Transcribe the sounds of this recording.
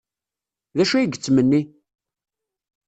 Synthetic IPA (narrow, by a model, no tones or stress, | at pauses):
ðæʃæjɡət͡sːmənːi